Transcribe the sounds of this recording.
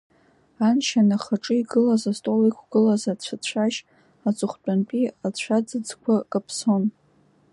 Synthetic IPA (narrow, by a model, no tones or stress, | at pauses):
anʃanaχaʈ͡ʂʼɨiɡɨlazastʼolikʷʰɡ̥ɨlazat͡ɕʷʰat͡ɕʷʰaʒ | at͡sʷʼʊχʷt͡pʼant͡pʼiat͡ɕʷʰad͡zɨd͡zkʷʰakʼapʰso̞n